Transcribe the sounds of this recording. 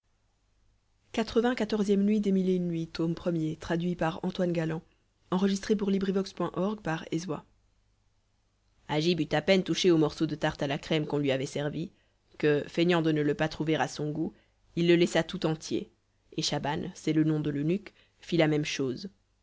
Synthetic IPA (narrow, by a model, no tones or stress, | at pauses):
kat̪χəvɛ̃kat̪ɔʁzjɛmnɥid̪emilenːɥit̪ompχəmjet̪χad̪ɥipaʁɑ̃t̪wanɡalɑ̃ | ɑ̃ʁəʒist̪χep̬uʁlibʁivɔkspwɛ̃ʔɔʁɡpaʁezwa̰ | aʒibyt̪apɛnt̪uʃeomɔʁsod̪ət̪aʁt̪alakχɛmkɔ̃lɥiavɛsɛʁvi | kəfɛɲɑ̃d̪ənələpat̪χuveʁasɔ̃ɡu | ilːəlɛsat̪ut̪ɑ̃t̪jḛ | eʃabansɛlənɔ̃d̪əlynyk | filamɛmʃoːz